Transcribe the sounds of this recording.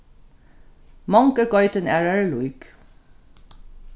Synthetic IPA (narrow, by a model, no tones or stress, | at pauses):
mɑŋkəɡɔʏt̪ənæɹɛɹluɪk